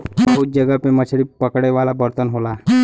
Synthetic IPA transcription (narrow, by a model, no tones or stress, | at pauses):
bəɦuːt̪̚d͡ʑəɡapemət͡ɕʰɽipəkɽeʋalabəɾt̪ənɦola